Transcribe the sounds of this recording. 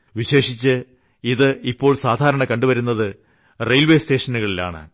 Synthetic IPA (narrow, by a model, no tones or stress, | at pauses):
ʋiɕe̞ːʂit͡ɕːɨ | iðɨipːo̞ːɭsaːd̪ʱaːɾɐɳɐkɐɳɖuʋɐɾunːɐðɨ | rejlʋe̞ːste̞ːʂɐnuɣɐɭila̰ːɳɨ̰